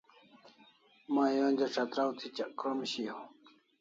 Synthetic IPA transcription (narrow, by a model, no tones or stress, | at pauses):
maːjonʲd͡ʑ̪aʈ͡ʂʰat̪ɾawt̪ʰit͡ɕakɾomɕi